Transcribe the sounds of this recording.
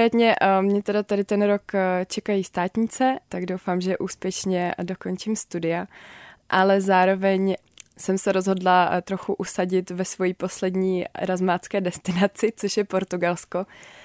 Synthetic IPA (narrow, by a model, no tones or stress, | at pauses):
ɾɛːt̪ɲɛmɲɛt̪ɛdat̪adɪt̪ɛnɾo̞kt͡ʃɛkajiːst̪aːt̪ɲit͡sɛt̪aɡdowfaːmʒɛʔuːspjɛʃɲɛdo̞ko̞nt͡ʃɪmst̪udɪaʔalɛzaːɾo̞vɛɲ | sɛmsɛɾo̞zɦo̞dlat̪ɾo̞xuʔusaɟɪt̪vɛsvo̞jiːpo̞slɛdɲḭːɾazmaːt͡skɛːdɛst̪ɪnat͡sɪt͡soʃjɛpo̞ɾt̪uɡalsko